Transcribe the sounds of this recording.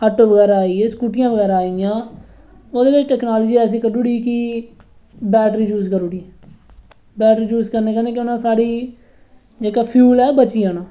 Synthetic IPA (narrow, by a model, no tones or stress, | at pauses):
əʈːoːʋəɣɛːɾaːaːiːeːskuːʈɪjãːʋəɣɛːɾaːijãː | oːd̪eːʋɪt͡ʃʈɛːknaːləd͡ʒiːɛːs̬ĩːkəɖuːɽiːkɪ | bɛːʈɾiːd͡ʒuːskəɾuːɽiːeː | bɛːʈɾiːd͡ʒuːskəɾneːkəneːkɪʊnãːsaːɽiː | d͡ʒeːkaːpʰjuːlɛːbət͡ʃiːaːnãː